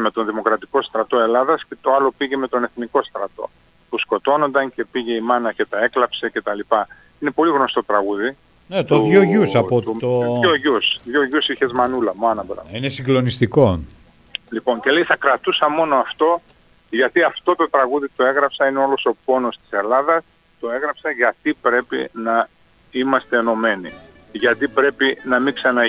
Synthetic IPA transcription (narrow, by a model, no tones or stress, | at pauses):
me̞t̪o̞nðimo̞kɾɐt̪iko̞st̪ɾɐt̪o̞e̞lɐðɐsce̞t̪oɐlo̞piʝe̞me̞t̪o̞ne̞θniko̞st̪ɾɐt̪o̞̰ | pusko̞t̪o̞no̞nd̪ɐŋce̞piʝe̞imɐnɐce̞t̪ɐe̞klɐpse̞ce̞t̪ɐlipɐ | ine̞po̞liɣno̞st̪o̞t̪ɾɐɣuði | net̪oðʝoʝusɐpot̪t̪ooʝusðʝoʝusiçe̞zmɐnulɐmoɐnɐbeɾɐ̰inesiŋɡlo̞nist̪iko̞ | lipo̞ɲce̞le̞jθɐkɾɐt̪usɐmo̞noɐft̪o̞ | ʝɐt̪iɐft̪o̞t̪o̞t̪ɾɐɣuðit̪o̞e̞ɣɾɐpsɐineo̞lo̞so̞po̞no̞st̪i̥se̞lɐðɐs | t̪o̞e̞ɣɾɐpsɐʝɐt̪ipɾe̞pḭnɐ | imɐst̪e̞ːno̞me̞nḭ | ʝɐt̪ipɾe̞pinɐmiksɐnɐ